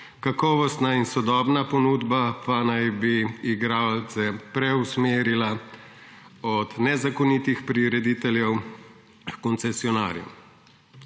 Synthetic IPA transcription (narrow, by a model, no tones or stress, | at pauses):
kakɔːʋɔst̪nainsɔd̪ɔːbnapɔnuːd̪bapanajbiːɡɾaːlt̪sɛpɾɛusmeːɾila | ɔt̪nɛzakɔnit̪ixpɾiɾɛd̪it̪ɛljɛw | kɔnt̪sɛsiɔna̰ːɾjṵ